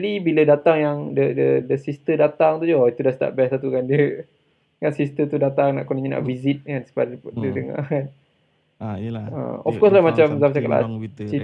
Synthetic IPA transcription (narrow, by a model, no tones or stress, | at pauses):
libilədat̪aŋjaŋdədədəsist̪ədat̪aŋt̪ud͡ʒoit̪udast̪a̰ʔ̚bɛsat̪ukandə | kansist̪ət̪udat̪aŋna̰ʔkɔniɲina̰ʔvizit̪̚kansə̥padədəŋa̰kan | ə̰ɔfkɔslahmat͡ʃamzafat͡ʃakala̰t͡ʃi